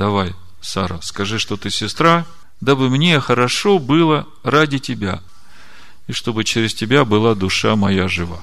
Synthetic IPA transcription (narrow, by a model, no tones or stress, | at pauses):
d̪ɐvaj | saɾəskɐʐɨʂt̪o̞t̪ɨsʲɪst̪ɾa | d̪abɨmnʲexəɾɐʂo̞bɨlˠə | radʲɪtʲɪbʲa̰ | iʂt̪o̞bɨt͡ɕɪɾʲɪstʲɪbʲabɨlˠad̪ʊʂamɐjaʐɨva̰